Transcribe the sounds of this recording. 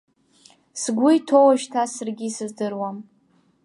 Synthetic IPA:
sɡʷʊjtʰo̞waʒtʰasɨrɡʲisɨzdɨrwam

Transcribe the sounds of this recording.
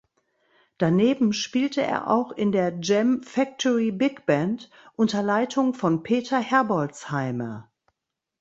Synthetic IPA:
d̥aneːbm̩ʃpiːltʰəʔḛːɐʔa̰ʊxɪndeːɐd͡ʒɛmfɛk̚tʰɔʁibɪkb̥ɛnt | ʔʊntɐlaɪtʰʊŋfɔnpʰeːtʰɐhɛɐbɔlshaɪmɐ̰

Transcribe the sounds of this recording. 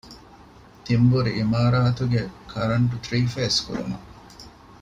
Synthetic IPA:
t̪imbuɾiʔimaːɾaːt̪uɡekʰɐɾɐɳʈut̪ɾiːfeːskṵɾṵmɐ̰

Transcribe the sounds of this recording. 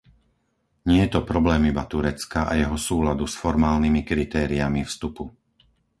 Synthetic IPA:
ɲɪɛjɛt̪ɔpɾɔblɛːmibat̪uɾɛt͡skaʔa̰jɛɦɔsuːlad̪usfɔɾmaːlnimikɾit̪ɛːɾiamifst̪upu

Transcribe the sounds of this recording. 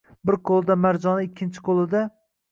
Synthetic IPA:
bɪɾqʰolˠd̪amaɾd͡ʒɒnɪɪkʲʰːɪnt͡ʃʰɪ̥qʰolˠɪd̪a

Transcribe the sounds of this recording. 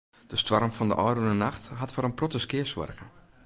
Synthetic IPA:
d̥əstwɔrəmfɔndə̰ʔɔjrunənaxtɦatfɔɾənprotəskɪəswɔ̰rkə

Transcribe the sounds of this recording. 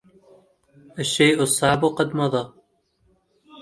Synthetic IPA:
ʔaʃːejʔʊsˤːɑʕbuqɑd̪mɑðˤɑː

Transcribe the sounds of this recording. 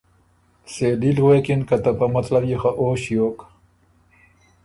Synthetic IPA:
selilwekinkat̪apamɐt̪labjexaʔoːɕjoːk

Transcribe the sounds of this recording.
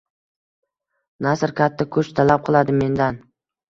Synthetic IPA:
nasɾkʲʰat̪ʰːɪkʰɵt͡ʃt̪ʰalap̚qʰɨlˠad̪ɪme̞nd̪an

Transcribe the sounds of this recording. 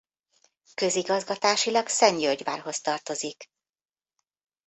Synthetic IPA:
kø̞ziɡɒzɡɒt̪aːʃilɒksɛɲjølɟva̰ːrɦo̞st̪ɒrt̪o̞zik

